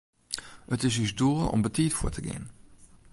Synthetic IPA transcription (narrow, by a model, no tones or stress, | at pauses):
ətɪsysduːɔ̰mbətiːtfuətʰəɡɪ̰n